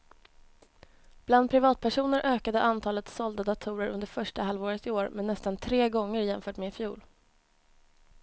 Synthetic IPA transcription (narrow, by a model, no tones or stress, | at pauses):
b̥land̪̚pʰɾɪvɑːt̪̚pʰæʂuːnəɾʔøːkad̪ə̰ʔant̪ʰɑːlət̪sɔld̪ad̪at̪ʰuːɾəɾɵ̰nd̪əɾfœʂʈahalvoːɾət̪ɪoːɾmɛnːɛst̪ant̪ʰɾeːɡɔŋːəɾjɛnfœːʈmeːɪfjuːl